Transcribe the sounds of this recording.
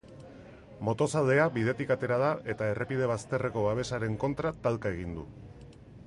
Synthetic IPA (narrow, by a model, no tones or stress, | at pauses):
mo̞t̪o̞sald̪e̞aβið̞e̞t̪ikat̪e̞ɾað̞aʔe̞t̪ae̞rʔe̞piðe̞β̞ast̪e̞re̞ko̞βaβ̞e̞saɾe̞ŋko̞nt̪ɾat̪alkae̞ɣ̞ind̪ṵ